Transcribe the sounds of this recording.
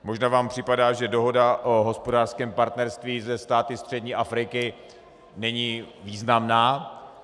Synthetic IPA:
moʒnaːvaːmpr̥ɪpadaːʒɛdo̞ɦo̞daʔo̞ɦo̞spo̞daːrskɛːmpaɾt̪nɛɾst̪viːzɛst̪aːt̪ɪst̪r̥ɛdɲiːʔafɾɪkɪ | nɛɲiːviːznamnaː

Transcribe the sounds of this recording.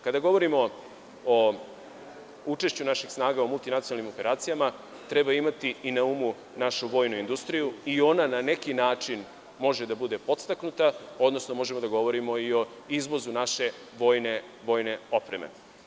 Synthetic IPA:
kad̪aɡo̞ʋo̞ɾimo̞ | o | ut͡ʃe̞ʃt͡ɕunaʃixsnaːɡaomult̪inat̪ionalnimope̞ɾaːt̪sijama | t̪ɾɛbaimat̪iinaumu | naʃuʋo̞ːjnuind̪ust̪ɾijuio̞nanane̞kinaːt͡ʂin | mo̞ʒed̪abud̪e̞po̞t̪st̪aknut̪ao̞d̪no̞snomo̞ʒemo̞d̪aɡo̞ʋo̞ɾimo̞io̞ | izʋo̞zunaʃe̞ | ʋo̞ːjne̞ | ʋo̞jne̞o̞pɾemḛ

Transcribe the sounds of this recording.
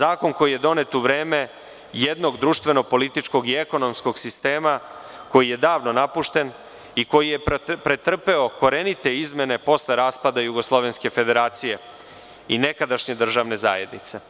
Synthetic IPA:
zaːko̞nko̞jije̞d̪o̞ne̞t̪uʋɾe̞ːme̞ | jed̪no̞ɡd̪ɾuːʃt̪ʋe̞no̞po̞lit̪it͡ʃko̞ɡieko̞no̞msko̞ɡsist̪e̞ːma | ko̞jije̞d̪aːʋno̞napuʃt̪e̞n | iko̞jije̞pɾet̪r̩pe̞o̞ko̞ɾe̞nit̪e̞izme̞ne̞po̞sleɾaːspad̪ajuɡo̞slˠo̞ʋe̞nske̞fe̞d̪e̞ɾaːt̪sije̞ | ine̞kad̪aʃɲe̞d̪r̩ʒaːʋne̞za̰ːjḛd̪nit̪se̞

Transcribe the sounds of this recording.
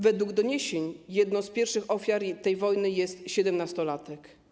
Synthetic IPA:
vɛd̪wuɡd̪ɔɲeɕeɲjɛd̪nɔ̃spʲjɛɾfʂɘxɔfʲjaɾt̪ɛjvɔjnɘjɛst̪ɕɛd̪ɛmnast̪ɔlat̪ɛk

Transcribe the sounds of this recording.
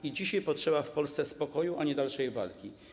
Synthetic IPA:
id͡ʑiɕajpɔtʂɛbafpɔlst̪sɛspɔkɔjuʔaɲɛd̪alʂɛjva̰lkʲi

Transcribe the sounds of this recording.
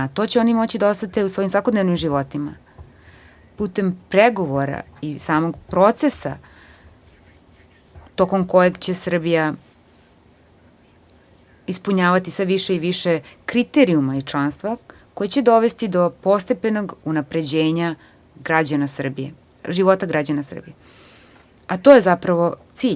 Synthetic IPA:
at̪o̞t͡ɕeo̞nimo̞t͡ɕid̪aost̪at̪eusʋoimsʋako̞d̪ne̞ʋnimʒiʋo̞t̪ima̰ | put̪empɾeɡo̞ʋoɾa̰isaːmo̞ɡpɾo̞t̪se̞sa | t̪o̞ko̞mko̞jeɡt͡ɕe̞sr̩bija | ispuɲaːʋat̪isʋeʋiʃeiʋiʃekɾit̪eɾiumait͡ʂlˠanst̪ʋakojet͡ɕed̪o̞ʋe̞st̪id̪o̞po̞st̪epe̞no̞ɡunapɾe̞d͡ʑeːɲa | ɡɾad͡ʑanasr̩bije | ʒiʋo̞t̪aɡɾad͡ʑanasr̩bije | at̪ojezapɾaʋo̞t̪siːʎ

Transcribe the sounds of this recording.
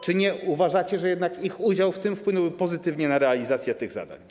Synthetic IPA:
t͡ʂɘɲɛuvaʐat͡ɕɛʐɛjɛd̪nakixud͡ʑawft̪ɘmfpwɘnɛwbɘpɔzɘt̪ɘvɲɛnaɾɛalʲizat̪sʲjɛt̪ɘɣza̰d̪a̰ɲ

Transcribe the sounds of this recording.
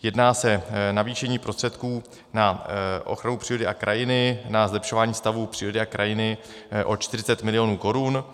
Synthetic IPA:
jɛdnaːsɛnaviːʃɛɲiːpɾo̞st̪r̥ɛt̪kuː | naʔo̞̰xɾanupr̥iːɾo̞dɪʔakɾʔajɪnɪnazlɛpʃo̞vaːɲiːst̪avuːpr̥iːɾo̞dɪakɾajɪnɪ | ʔo̞t͡ʃt̪ɪrɪt͡sɛt̪mɪlɪjo̞nuːko̞ɾun

